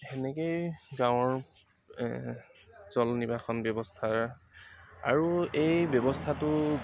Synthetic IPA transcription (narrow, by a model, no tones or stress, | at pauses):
ɛnɛkejɡãwɔɹ | zɔlnibaxʰɔnbjɔbɔstʰa | a̰ɹuejbjɔbɔstʰatʊ